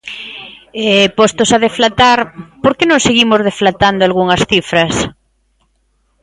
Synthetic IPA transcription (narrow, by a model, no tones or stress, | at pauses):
ɛpost̪osaðeflat̪aɾpoɾkenõŋseɣimozð̞eflat̪and̪oalɣ̞uŋɐsθifɾɐs